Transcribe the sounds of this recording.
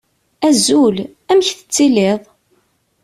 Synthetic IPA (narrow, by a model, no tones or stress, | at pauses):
æzul | æmçθə̥t͡sːileðˤ